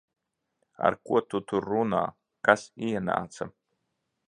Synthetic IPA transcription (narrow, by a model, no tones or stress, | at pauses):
a̰ɾkṵɔt̪ut̪uɾːuna̰ː | kasiɛna̰ːt̪sa̰